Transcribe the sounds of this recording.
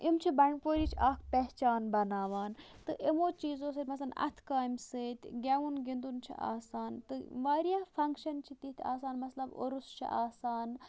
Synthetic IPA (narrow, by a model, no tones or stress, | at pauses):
imt͡ʃʰibɐɳɖpoːɾit͡ʃʰaːkʰpɛɦt͡ʃaːnbɐnaːʋaːn | t̪ɨʔemoːt͡ʃiːzoːs̬eːt̪mɐslɐnɐ̰t̪ʰkaːjmset̪ʲɡʲaʋunɡind̪unt͡ʃʰḭʔa̰ːsaːnt̪ɨʋaːɾijaːfʰɐŋkʃɐnt͡ʃʰit̪it̪ʰʲa̰ːsaːnmɐslɐbo̰ɾust͡ʃʰḭʔaːsaːn